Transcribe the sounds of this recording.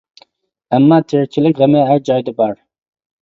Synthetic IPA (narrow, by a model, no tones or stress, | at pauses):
æmːɑːt̪ʰeɾt͡ʃʰilɪkʲʁɛmɛɦæɾd͡ʒɑjd̪ɛbɑɾ